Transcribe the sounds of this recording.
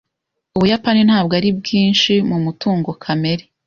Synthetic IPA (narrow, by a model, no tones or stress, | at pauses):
uβujapanin̥haːb̚ɡaɾib̚ɡiːnʃimumutuːŋɡo̞kʰame̞ɾe